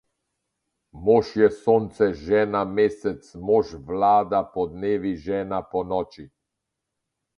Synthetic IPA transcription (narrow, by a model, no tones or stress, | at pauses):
moʃjɛsoːnt̪sɛʒɛːnameːsɛt̪smɔʃʋlaːd̪apɔd̪neːʋiʒɛːnapɔnɔːt͡ʃi